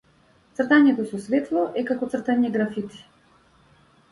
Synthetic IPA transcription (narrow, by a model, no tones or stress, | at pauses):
t̪srt̪aɲɛt̪ɔsɔsvɛt̪lˠɔʔɛkakɔt̪sr̩t̪aɲɛɡɾafit̪i̥